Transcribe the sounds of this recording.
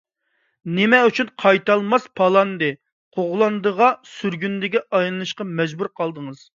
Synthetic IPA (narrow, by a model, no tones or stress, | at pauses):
nɪmɛyt͡ʃʰynqʰɑjt̪ɑlˠmɑspʰɑlˠɑnd̪ɨ | qʰoʁlˠɑnd̪əʁɑsyɾɡʲynd̪ɪɡʲɛʔɑjlˠɨnɨʃqɑmɛd͡ʒbuɾqʰɑlˠd̪əŋɨz̥